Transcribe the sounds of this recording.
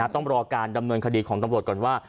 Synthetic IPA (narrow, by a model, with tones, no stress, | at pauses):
aː˧˥˩t̪ɔ˥˩ŋɾɔː˧kaː˧nda˧mnɤ˧nkʰa˧diː˧kʰɔː˩˦ŋt̪a˧mɾu˨˩ət̚kɔː˨˩nwaː˥˩